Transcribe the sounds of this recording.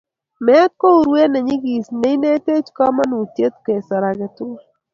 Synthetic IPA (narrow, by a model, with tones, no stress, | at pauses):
mɛ˦a˦t̪̚ko˦u˨ɾwe˦nɛ˨ɲɪ˦ɡi˨sne˦i˦ne˦te˦t͡ʃka˦ma˦nu˨t̪je˦t̪ke˨sa˨ɾa˨ɡɛ˨tʊ˦